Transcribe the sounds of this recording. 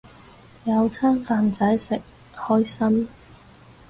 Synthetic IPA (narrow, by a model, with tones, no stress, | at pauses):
jɐ˨˧wt͡sʰaː˥nfaː˨˧nt͡sɐ˨˥jsɪ˨k̚ | hɔː˥jsɐ˥m